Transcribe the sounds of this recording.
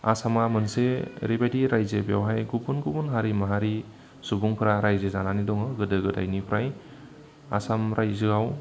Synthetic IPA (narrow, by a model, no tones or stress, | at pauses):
a̰samamɯnseɾibajdiɾajzebjawɦajɡubunɡubunɦaɾimaɦaɾi | subuŋpʰɾaɾajzezananidɔŋɯɡɯdɯɡɯda̰jnipʰɾaj | a̰samɾajzɯɡaw